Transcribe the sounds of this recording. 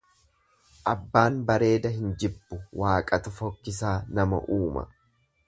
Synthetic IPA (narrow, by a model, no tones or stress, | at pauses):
ʔɐbːaːnbɐɾe̞ːd̪ɐɦɪnd͡ʒɪbːʊwʔaːkʼɐt̪ʊfɔkːɪsaːnɐmɐ̰ʔuːmɐ̰